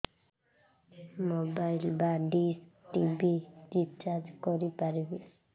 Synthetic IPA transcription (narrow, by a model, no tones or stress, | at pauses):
mobajlbaɖisʈibid͡ʒip̚t͡ʃad͡ʒkɔɾipaɾibe